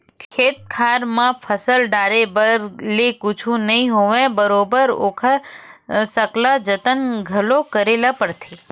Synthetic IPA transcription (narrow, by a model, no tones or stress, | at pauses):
kʰkʰet̪̚kʰaɾmãpʰəsəlɖaɾebəɾlekʊt͡ʃʰũnəɦĩɦoʋẽbəɾobəɾo̰kʰa | səklad͡ʒət̪ənɡʱəlokəɾelapəɾt̪ʰi